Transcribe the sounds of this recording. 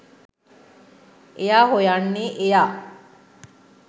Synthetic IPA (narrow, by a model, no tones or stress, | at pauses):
ejaːɦojanːeʔejaː